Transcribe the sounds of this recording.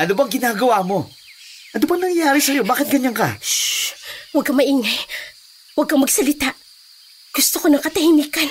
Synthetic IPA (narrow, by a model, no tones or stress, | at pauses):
ʔɐnobaɐŋɡɪnaːɡɐwaːmo̞ | ʔɐnobɐŋnɐŋjaːɾɪsɐjo̞baːkɪt̪̚ɡɐɲankɐ̰ | wɐɡ̚kɐmɐʔiːŋaj | wɐɡ̚kɐmɐɡ̚sɐlɪt̪aʔ | ɡ̥ʊst̪okonɐŋkɐt̪ɐhimiːkɐn